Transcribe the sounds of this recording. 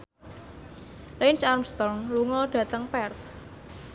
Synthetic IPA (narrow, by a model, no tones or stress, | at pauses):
lɛnsarmst̪ɔŋluŋɔɖ̥ä̤t̪əŋpɛrt̪